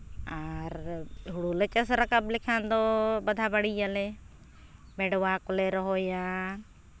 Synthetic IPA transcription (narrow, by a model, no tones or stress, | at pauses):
aːɾɦʊɽuːlət͡ʃəsɾəkəblɪkʰãːnd̪oːbəd̪ʱaːbəɽiːəle | meːɖʋaːkʊleːɾəɦoːjãː